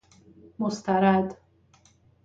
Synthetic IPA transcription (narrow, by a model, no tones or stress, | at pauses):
most̪æɾad̪